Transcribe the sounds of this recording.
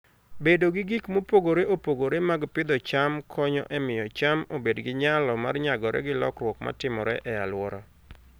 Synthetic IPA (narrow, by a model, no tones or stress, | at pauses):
bedoɡɪɡikmopoɡoɾeʔopoɡoɾemaɡpɪd̪ɔt͡ʃamkʰɔɲɔ̰ʔɛmɪjɔt͡ʃamobedɡɪɲalɔma̰rɲaɡɔɾɛ̰ɡɪlɔ̰krwɔkma̰tɪmɔɾɛʔɛa̰lwɔɾɔ